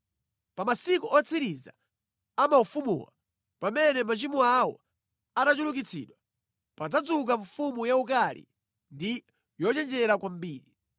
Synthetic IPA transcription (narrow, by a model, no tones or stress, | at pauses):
pamasikuʔɔt͡sʰiɾiza̰ | amaufumṵːwa̰ | pamɛnɛmat͡ʃimuawɔ̰ | aɗat͡ʃuluk̬it͡sʰḭːɗwa | pad͡zad͡zuk̬aɱfumujaukalḭ | ndi | jɔt͡ʃɛnd͡ʒɛɾakwam̩biːɾi